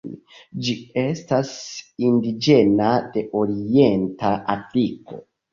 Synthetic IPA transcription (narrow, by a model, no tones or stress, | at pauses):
d͡ʒie̞stasindid͡ʒe̞nade̞ʔo̞ɾie̞ntaʔafliko̞̰